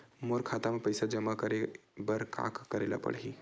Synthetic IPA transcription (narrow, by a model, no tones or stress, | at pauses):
moɾkʰat̪amepəjsad͡ʒəmakəɾebəɾkʰa̰kːəɾela̰pə̰ɽɦi